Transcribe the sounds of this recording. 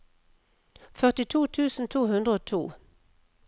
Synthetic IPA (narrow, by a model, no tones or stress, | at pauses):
fœʁt̪ɪt̪ʰuːt̪ʰʉːsn̩t̪ʰuːhʉnd̪ʁəoːt̪ʰuː